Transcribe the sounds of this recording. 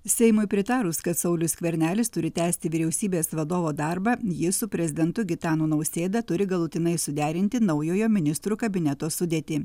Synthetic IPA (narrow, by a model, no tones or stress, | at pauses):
sʲɛɪmʊɪpʲɾʲɪt̪ɑːɾʊskɐt̪sɐʊlʲʊsʲkʲʋʲɛɾʲnʲæːlʲɪst̪ʊɾʲɪt̪ʲæːsʲt̪ʲɪʋʲiɾʲɛʊsʲiːbʲeːsʋɐd̪oːʋoːd̪ɐɾbɐjɪsʊpʲɾʲɛzʲɪd̪ʲɛnt̪ʊɡʲɪt̪ɑːnuːnɐʊsʲeːd̪ɐt̪ʊɾʲɪɡɐlˠʊt̪ʲɪnɐɪsʊd̪ʲæːɾʲɪnʲt̪ʲɪnɐʊjoːjoːmʲɪnʲɪst̪ɾuːkɐbʲɪnʲɛt̪oːsʊd̪ʲeːt̪ʲiː